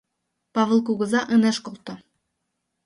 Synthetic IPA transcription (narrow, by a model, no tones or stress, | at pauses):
pɑvə̆lˠkuɡɤ̆zɑʔɤneʃkolˠt̪o